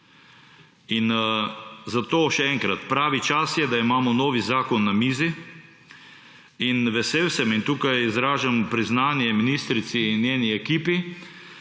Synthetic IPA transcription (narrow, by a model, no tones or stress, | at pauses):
in | zat̪oːʃɛɛŋkɾat̪pɾaːʋit͡ʃasjɛd̪aimaːmɔnoːʋizaːkɔnːamiːzi | inʋɛsewsɛmint̪uːkajizɾaːʒampɾiznaːnjɛminist̪ɾit̪sinjeːniɛkiːpi